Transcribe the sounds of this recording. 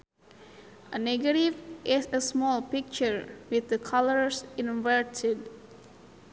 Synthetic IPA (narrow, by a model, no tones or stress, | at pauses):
ʔənɛɡəɾivʔɪsəsmɔlpik̚t͡ʃəɹwɪθ̚d̪əkʰaləɹsĩnvəɹtʰɪd